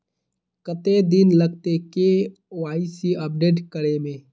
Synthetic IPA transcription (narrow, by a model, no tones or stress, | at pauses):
kət̪ed̪ɪnləɡ̚t̪eke | waːisiəp̚ɖeːʈkəɽemẽː